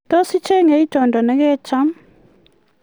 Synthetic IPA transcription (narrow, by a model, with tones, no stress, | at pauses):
tɔ˦si˦t͡ʃɛ˦ŋɛ˨i˦d͡ʒʱɔ˨ndʱɔ˨nɛ˦kɛ˦t͡ʃʰa˦m